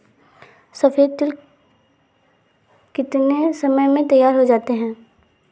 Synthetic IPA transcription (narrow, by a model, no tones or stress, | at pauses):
sɐfeːd̪̚t̪ɪl | kɪt̪nesɐməjmẽt̪ɐjːaːɾɦod͡ʒaːt̪eɦɛ̃ː